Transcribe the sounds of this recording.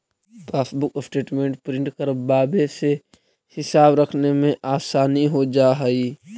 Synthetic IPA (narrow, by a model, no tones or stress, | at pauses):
paːsbʊkːsʈeːʈmẽːɳʈpɾɪ̃ɳʈkəɾbaːbese | hɪsaːbɾɐkʰnemẽʔaːsaːniɦod͡ʒaːɦɛiː